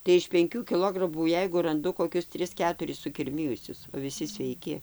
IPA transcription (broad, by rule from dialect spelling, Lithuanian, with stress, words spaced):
tɐɪ ɪʃ pʲɛŋʲˈkʲuː kʲɪˈlˠoːɡrɐmuː ˈjɛɪɡʊ rɐnˈdʊ koːˈkʲʊs ˈtʲrʲɪs ˈkʲæːtʊrʲɪs sʊkʲɪrʲˈmʲɪjʊsʲʊs oː ʋʲɪˈsʲɪ sʲʋʲɛɪˈkʲɪ